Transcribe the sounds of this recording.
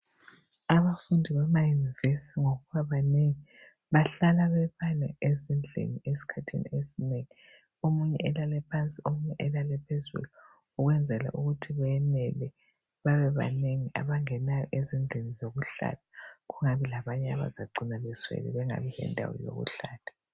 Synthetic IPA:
aβafundʱiβamajunivesitʰiŋoɣuβaβaneŋi | βaɬalaβɛβanɛ̰ezind͡ɮʱḛniesi̥kʰatʰḛnḭesineŋi | omuɲɛ̰ʔɛlalɛpʰant͡sʼiomuɲɛʔɛlalɛpʰezṵlu | uɣwɛnd͡zʱɛla̰ʔuɣutʰiβɛɛnɛlɛ | βaβɛβa̰neŋiʔa̰βaŋɛnajɔ̰ʔezind͡ɮʱenizoɣuɬa̰tʰaɣuŋaβilaβaɲɛa̰βa̰zaɡ͡ǀʱinaβɛswɛ̰lḭβɛŋa̰βɛjɛ̰ndʱa̰wɔ̰jo̰ɣṵɬaːtʰʼḁ

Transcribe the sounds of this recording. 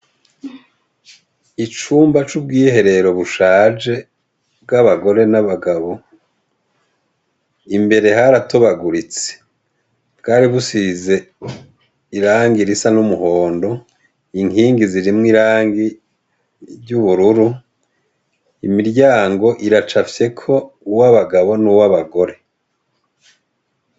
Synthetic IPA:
it͡ʃuːmbat͡ʃubɡiːhe̞ɾe̞ɾo̞βuʃaːd͡ʒe̞ | bɡaβaɡo̞ɾe̞naβaɡaβo̞ | imbe̞ɾe̞haɾatoβaɡuɾit͡se̥ | bkaːɾiβusize̞ | iɾaːŋɡiɾisanumuɦo̞ːndo̞ | iŋhiːŋɡiziɾimŋiɾaːŋɡi | ɾɟuβuɾuɾu | imiɾɟaːŋɡo̞ʔiɾat͡ʃafje̞kʰo̞ | uwaβaɡaβo̞nuwaβaɡo̞ɾe̞

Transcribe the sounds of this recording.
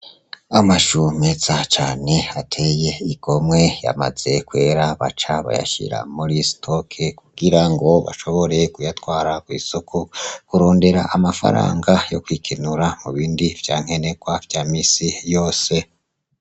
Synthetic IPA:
amaʃumez̥at͡ʃaːne̞atʰe̞je̞iko̞mŋe̞ja̰ma̰z̥e̞kwe̞ːɾaβa̰t͡ʃaβa̰ja̰ʃḭɾa̰muɾistʰokʰekuɡ̥iɾaŋɡo̞βa̰ʃo̞βo̞ɾe̞kujatwaːɾakwiːsokʰukuɾo̞ːnde̞ɾaʔamafa̰ɾa̰ːŋɡajo̞̰kwikʰinuɾamuβiːndiv̥jaːŋ̥e̞ne̞ɡwavjaːmiːsijo̞ːse̞

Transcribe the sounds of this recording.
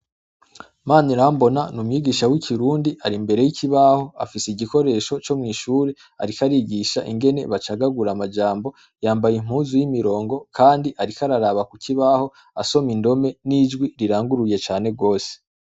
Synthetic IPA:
maːniɾambo̞nanumɲiːɡiʃawikʰiɾuːndiʔaɾimbe̞ɾe̞jicʰiβaho̞a̰fiseiɟiko̞ɾe̞ːʃo̞t͡ʃo̞mŋiːʃuːɾe | a̰ɾikaɾiɡiʃa̰ʔiŋɡe̞ne̞̰βat͡ʃaɡaɡuɾamad͡ʒaːmbo̞ | jaːmbajim̥huːzujimiɾo̞ːŋɡo̞kʰaːndiʔaɾikaɾaɾaβakuciβaːho̞ | a̰so̞mindo̞me̞nid͡ʒɡwiɾiɾaːŋɡuɾuje̞t͡ʃaːne̞ɡo̞ːse̥

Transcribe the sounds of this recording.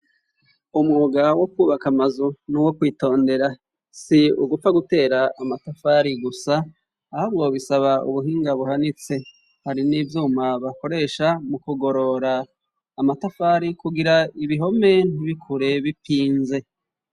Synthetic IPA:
umŋuːɡawo̞kwuːβakamazunuwo̞kwiːto̞ːnde̞ɾa | siṵɡup͡faɡute̞ːɾaʔamatafaːɾiɡusaː | haβɡo̞βisaβaṵβuɦiːŋɡaβuhanit͡se̞ | haɾiniːvjuːmaβako̞ɾe̞ːʃamukuɡo̞ɾo̞ɾaː | matafaːɾikuɡiɾaiβiɦo̞men̥uβikʰuɾe̞βipiːnze̞

